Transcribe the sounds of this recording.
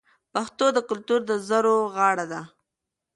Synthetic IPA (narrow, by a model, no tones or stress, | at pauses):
paxt̪od̪əkʊlt̪uɾd̪əzəɾoɣɑɽad̪a